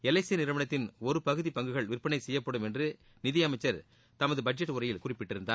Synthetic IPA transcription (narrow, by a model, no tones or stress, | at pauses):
ɛlɐɪsiɐnɪɾɯʋɐɳɐt̪ːɪnɔɾɯpɐɣɯðipɐŋɡɯɣɐɭʋɪrpːɐɳɐɪsɛjːɐpːɐɽɯmɛndrɯ | nɪðɪjɐmɐɪt͡ʃːɐɾ | t̪ɐmɐðɯbɐd͡ʒɛʈːɯʊrɐjɪlkʊrɪpːɪʈːɪɾɯnd̪aː